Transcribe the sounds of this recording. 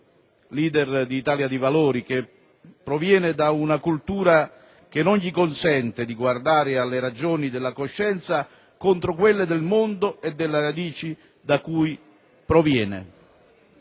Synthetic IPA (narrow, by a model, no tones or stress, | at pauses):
liːd̪ɛrd̪iːt̪aːljad̪ivaloːɾike | pːɾɔvjɛːnɪd̪aunakult̪uːɾa | k̟enːonʎikonsɛnt̪ɪd̪iɡward̪aːɾɪalːeɾad͡ʒoːnid̪ɪlːakoʃːɛnt̪sa | kont̪ɾokwelːed̪elmond̪oed̪ːelːaɾad̪iːt͡ʃi | d̪akuːj | pɾɔvjɛːnḛ